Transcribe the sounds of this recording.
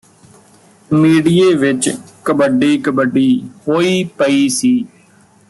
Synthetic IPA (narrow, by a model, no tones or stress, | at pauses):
miːɽieːʋɪt͡ʃkəbəɖiːkəbəɖiːɦoːiːpəiːsiː